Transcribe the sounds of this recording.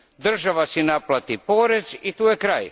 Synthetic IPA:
d̪r̩ʒaʋasinaplat̪ipoːɾezit̪uːjekɾaːj

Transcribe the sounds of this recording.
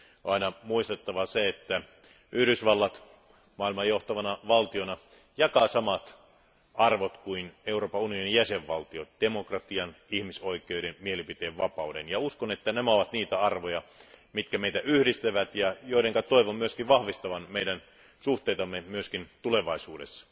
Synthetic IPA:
ɑinɑmuist̪et̪ːɑʋɑseet̪ːæ | ʔyhdysʋɑlːɑt̪ | mɑːˑilmɑjjoht̪ɑʋɑnɑʋɑlt̪ionɑ | jɑkɑsɑmɑt̪ | ɑrʋot̪kuineuroːpɑunionijæseʋʋɑlt̪iotd̥emokrɑt̪iɑnihmisoikˑeoidenmielipit̪eːʋʋɑpɑudenjɑuskonet̪ːænæmæoʋɑt̪niːt̪æɑrʋojɑmit̪kæmeit̪æʔyhdist̪æʋæt̪jɑjoiɾeŋkɑt̪oiʋommyøskiʋʋɑhʋist̪ɑʋɑnmeidæn | suht̪eit̪ɑmːemyøskint̪uleʋɑisuːdesːɑ̥

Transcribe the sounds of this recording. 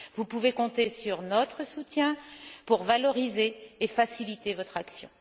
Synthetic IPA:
vupuvekɔ̃t̪esyʁnɔt̪χəsut̪jɛ̃puʁvalɔʁizeːfasilit̪evɔt̪χaksjɔ̰̃

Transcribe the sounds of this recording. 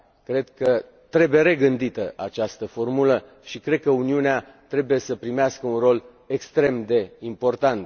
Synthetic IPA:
kɾe̞d̪kə | t̪ɾe̞buje̞ɾe̞ɡɨnd̪it̪əʔa̰t͡ʃast̪əfo̞rmulə | ʃikɾe̞d̪̚kəuniunea | t̪ɾe̞buje̞səpɾimeaskəunro̞l | ekst̪ɾe̞md̪e̞impo̞rt̪ant̪

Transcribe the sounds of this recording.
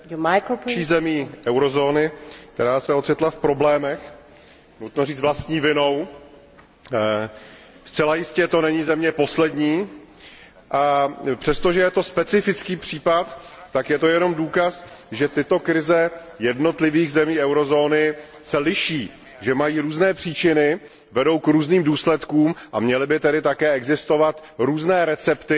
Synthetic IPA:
akʃiːzɛmiːʔɛwɾo̞zo̞ːnɪk̚t̪ɛɾaːsɛot͡sɪt̪lafpɾoblɛːmɛx | nut̪noriːt͡s̪vlast̪ɲiːvɪno̞w | st͡sɛlajɪscɛt̪o̞nɛɲɪzɛmɲɛpo̞slɛdɲiː | ʔapr̥ɛst̪oʒɛjɛt̪o̞spɛt͡sɪfɪt͡skiːpr̝̥iːpat̪ːakjɛt̪o̞jɛno̞mduːkasʒɛt̪ɪt̪o̞kɾɪzɛ | jɛdno̞t̪lɪviːɣzɛmiːʔɛwɾo̞zo̞ːnɪ | sɛlɪʃiː | ʒɛmajiːɾuːznɛːpr̥iːt͡ʃɪnɪ | vɛdo̞wkɾuːzniːmduːslɛt̪kuːmʔamɲɛlɪbɪt̪ɛdɪt̪akɛːɛɡzɪst̪o̞vat̪ɾuːznɛːɾɛt͡sɛpt̪ɪ

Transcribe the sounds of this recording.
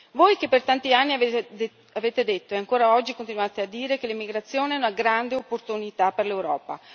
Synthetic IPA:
vojkepːert̪ant̪ianːi | aveːt̪ed̪et̪ːoɛaŋkoːɾaɔd͡ʒːikont̪inuaːt̪ead̪ːiːɾekelimiɡɾat̪sːjoːneɛunaɡɾand̪eopːort̪unit̪aperlewɾɔːpa̰

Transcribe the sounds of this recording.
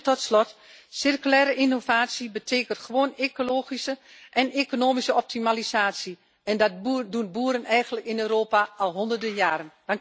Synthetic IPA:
tɔtslɔt | sɪrkylɛːɾəʔinovaːsibətʰeːkəntxəʋoːnekoloːxisəʔɛneːkonoːmisəɔp̚timalisaːsji | ɛndɔdunbuːɾənɛjɣəntləkɪnøːɾoːpaɔlˠɦondərdəjaːɾənd̥aŋ

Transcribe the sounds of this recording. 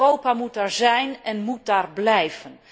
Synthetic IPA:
owpamut̚daːɹzɛjnɛnmut̚daːrblɛjv̥ən

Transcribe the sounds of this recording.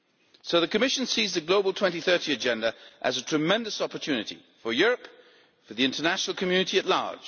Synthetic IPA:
soʊðɨkʰɨmɪʃɨ̃n̩sizðɨɡloʊblˠtʰɛ̃ntiθɜ˞ɾiɨd͡ʒɛ̃ndəʔɨzətʰɹ̥ɨmɛ̃ndɨsɑpə˞tʰʉnɨɾḭ | fə˞jʊɹɨp | fə˞ðiɪ̃ntʰə˞næʃnl̩ˠkʰɨmjʉnɨɾiɨtˡlɑ̰ɹd̥ʒ̥

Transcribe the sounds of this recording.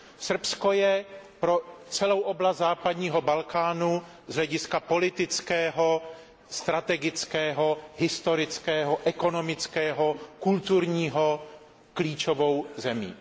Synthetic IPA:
sr̩pskojɛpɾot͡sɛlowʔoblast̪zaːpad̪ɲiːɦo̞balkaːnu | zɦlɛɟɪskapo̞lɪt̪ɪt͡skɛːɦo | st̪ɾat̪ɛɡɪt͡skɛːɦoɦɪst̪o̞ɾɪt͡skɛːɦoʔɛko̞nomɪt͡skɛːɦokult̪uɾɲiːɦo | kliːt͡ʃovo̞wzɛmḭː

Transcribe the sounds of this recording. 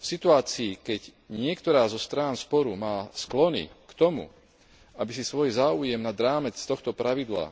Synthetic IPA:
fsit̪uaːt͡siːkɛɟ | ɲɪɛkt̪ɔɾaːzɔst̪ɾaːnspɔɾumaːsklɔnḭkt̪ɔmṵ | ʔabisisʋɔjzaːujɛmnad̪ɾaːmɛt͡st̪ɔxt̪ɔpɾaʋid̪la̰

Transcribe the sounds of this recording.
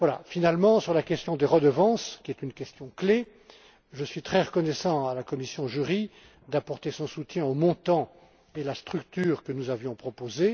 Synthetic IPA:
vwala̰finalmɑ̃syʁlakʲɛst̪jɔ̃d̪eʁəd̪əvɑ̃skʲiɛt̪ynkʲɛst̪jɔ̃kle | ʒəsɥit̪χɛʁəkɔnɛsɑ̃alakɔmisjɔ̃ʒyʁi | d̪apɔʁt̪esɔ̃sut̪jɛ̃omɔ̃t̪ɑ̃ | elast̪χykt̪yːʁkənuzavjɔ̃pχɔpoze

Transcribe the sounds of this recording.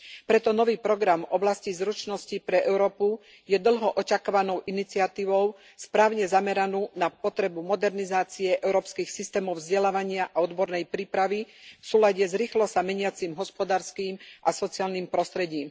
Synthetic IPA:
pɾɛt̪ɔnɔʋiːpɾɔɡɾamɔblascizɾut͡ʃnɔscipɾɛʔɛʊɾɔːpu | jɛd̪l̩ɦɔʔɔcakaʋanɔʊʔinit͡siɪat̪iːʋɔʊ | spɾaːʊɲɛzamɛɾanuːnapɔt̪ɾɛbumɔd̪ɛɾnizaːt͡siɛʔɛʊɾɔːpskixsist̪ɛːmɔʊvzɟɛlaːʋaɲɪaʔaɔd̪bɔɾnɛjpɾiːpɾaʋifsuːlaɟɛzɾiːxlɔsamɛɲɪat͡simɦɔspɔd̪aːɾskiːmʔasɔt͡siaːlniːmpɾɔst̪ɾɛɟiːm

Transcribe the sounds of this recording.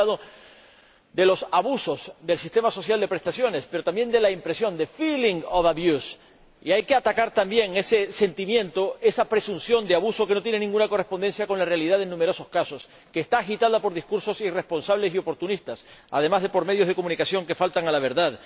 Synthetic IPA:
aðo | d̪e̞lo̞saβuso̞sd̪e̞lsist̪e̞maso̞sjald̪e̞pɾe̞st̪asjo̞ne̞spe̞ɾot̪ambje̞nd̪e̞laimpɾe̞sjo̞nd̪e̞filiŋoβaβjus | iajke̞at̪akaɾt̪ambje̞ŋe̞se̞se̞nt̪imjẽ̞nt̪o̞e̞sapɾe̞sunsjo̞nd̪eaβuso̞ke̞not̪jene̞nĩŋɡunako̞re̞spo̞nd̪e̞nsjako̞nlare̞aliðaðe̞nːũmeɾo̞so̞skasos | ke̞ːst̪aːxit̪aðapo̞ɾðiskuɾso̞sire̞spo̞nsaβle̞sio̞po̞ɾt̪unist̪asa̰ðe̞mazðe̞po̞ɾme̞ð̞jozð̞e̞ko̞mũnikasjo̞ŋke̞falt̪aŋalaβ̞e̞ɾðað

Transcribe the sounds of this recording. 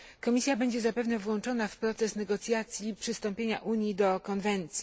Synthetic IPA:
kɔmʲisʲjabɛɲd͡ʑɛzapɛvnɛvwɔnt͡ʂɔnafpɾɔt̪sɛsnɛɡɔt̪sʲjat̪sʲjipʂɘst̪ɔ̃mpʲjeɲa̰ʔuɲjid̪ɔkɔnvɛnt̪sʲji

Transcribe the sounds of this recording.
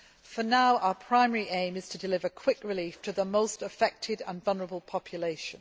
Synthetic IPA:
fənaʊʔaʊəpʰɹ̥aɪmɛɹiʔẽɪ̃mɪz̥tʰədɪlɪvəkʰw̥ɪkɹɪliˑftʰəðəmoʊstəfɛk̚tʰɪdə̃nvʌlˠnəɹəbəlˠpʰɒpʰjəleɪʃə̃n

